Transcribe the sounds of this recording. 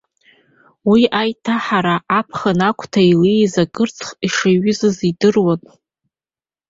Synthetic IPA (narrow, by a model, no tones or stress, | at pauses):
wiajtʰaħaɾaʔːpʰχanakʷʰʼtʰailizakʼɨrt͡sʰχiʂaɥʏzɨzidɨrwanʼ